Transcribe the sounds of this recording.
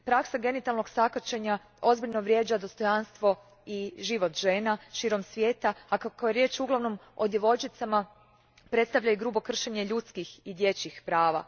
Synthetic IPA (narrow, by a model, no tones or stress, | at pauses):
pɾaksaɡe̞nit̪alˠno̞ɡsakat͡ʃeɲa | o̞zbiʎno̞ʋɾje̞ːd͡ʒad̪o̞st̪o̞janst̪ʋo̞ | iʒiʋo̞t̪ʒe̞ːnaʃiːɾo̞msʋʲje̞ːt̪aakakːjeɾje̞ːt͡ʃuɡlˠaʋno̞mo̞̰d̪jeʋo̞t͡ʃit̪sama | pɾe̞t̪st̪aʋʎaiɡɾuːbo̞kr̩ʃeɲe̞ʎut̪skixid̪je̞t͡ɕixpɾaːʋa̰